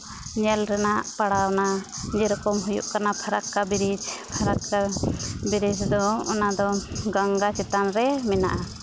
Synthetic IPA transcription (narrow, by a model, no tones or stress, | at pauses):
ɲɛlɾɛnaʔpaɽawnaɲɛɾɔkɔmɦujṵʔkanapʰaɾakːabiɾid͡ʒpʰaɾakːabiɾid͡ʒd̪ɔɔnad̪ɔɡaŋɡat͡ʃɛt̪anɾɛmɛna̰ʔa